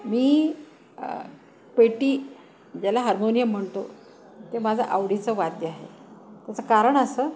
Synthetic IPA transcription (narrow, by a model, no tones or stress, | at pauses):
miː | peʈiː | d͡ʑjalaɦaɾmonijəm̤ːəɳt̪o̰ | t̪emad͡zʱəʔaʋɽit͡səʋad̪jəaɦḛt̪jat͡səkaɾəɳəsəː